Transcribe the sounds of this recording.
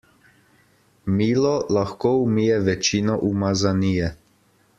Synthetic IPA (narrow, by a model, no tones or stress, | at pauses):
miːlɔlaxkoːwmiːjɛʋɛt͡ʃiːnɔʔumazanijɛ